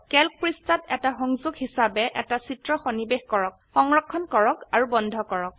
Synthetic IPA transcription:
kɛlk̚pɹistatɛtaxɔŋzuɡhisabɛʔɛtasitɹɔxɔnibexkɔɹɔk̚xɔŋɹɔkʰːɔnkɔɹɔkaɹubɔndʱɔkɔɹɔk̚

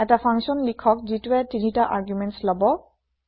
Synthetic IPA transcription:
ɛtapʰaŋʃɔnlikʰɔkzituɛtinitaʔaɹɡjumɛntslɔbɔ

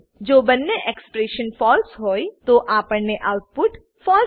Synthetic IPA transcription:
d͡ʒoːbənːeʔekspɾeːʃənfʰɔːlsɦoːit̪oʔaːpəɾneʔaʊʈ̚pʊʈ | fɔːl

